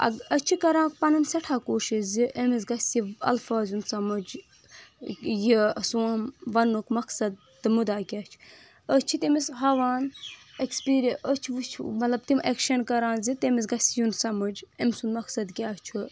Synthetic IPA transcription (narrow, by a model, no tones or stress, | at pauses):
ɐ̰ɡət͡ʃʰikɐɾãːkpɐnɐnsɐʈʰaːkoːʃiʃziʔemis̬ɡɐsʲiɐ̰lfaːzunsɐmɐd͡ʒ | jisumʋɐnːukmɐksɐd̪̚ | t̪ɨmud̪aːkʲaːt͡ʃʰ | ət͡ʃʰit̪emisɦɐʋaːnekspiːɾʔət͡ʃʰiʋut͡ʃʰmɐt̪lɐb̚t̪imʔekʃɐnkɐɾãːnzit̪emis̬ɡɐsijunsɐmɐd͡ʒemsunmɐksɐd̪kʲaːt͡ʃʰu